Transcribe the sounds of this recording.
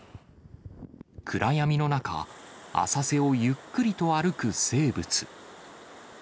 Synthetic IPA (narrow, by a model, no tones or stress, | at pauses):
kʰɯ̟ɾʔajamʲino̞naka̰a̰sase̞o̞jɯ̟kːɯ̟ɾʲit̪o̞aɾɯ̟kɯ̟se̞ːbɯ̟t͡sɨ̥